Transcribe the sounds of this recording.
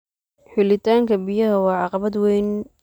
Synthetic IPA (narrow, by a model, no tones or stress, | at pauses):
ħʊlɪt̪ʰaːŋkʰɐbɪjɐɦɐwɑːʕɑqɑβɐd̪wɛjn